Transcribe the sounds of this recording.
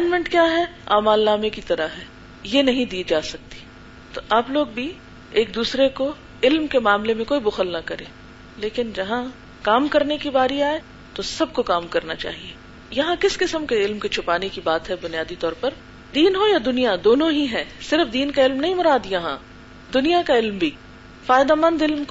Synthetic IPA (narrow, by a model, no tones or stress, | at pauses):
ɛːnɖmɛ̃ɳʈkjaːɦɛ | a̰ːmaːlːaːmekit̪ɐɾaɦɛː | jenɐɦĩd̪iːd͡ʒaːsɐk̚t̪i̥ | t̪oʔaːploːɡbʱi | eːk̚d̪uːsɾeko | ɪlmkemaːmlemẽkoːibʊxəlnɐkɐɾẽː | leːkɪnd͡ʒɐɦã | kaːmkɐɾnekibaːɾiaːe | t̪osɐb̚kokaːmkɐɾnat͡ʃa̰ːɦieː | jɐɦãkɪskɪsəmkeɪlmkit͡ʃʰʊpaːnekibaːt̪ɦɛbʊnijaːd̪it̪ɔːɾpɐɾ | d̪iːnɦojad̪ʊnijad̪oːnõɦiɦɛːsɪɾəfd̪iːnkaɪlmnɐɦĩmʊɾaːd̪jɐɦã̰ | d̪ʊnijakaɪlmbʱiː | faːjɪd̪amɐ̃nd̪ɪlmk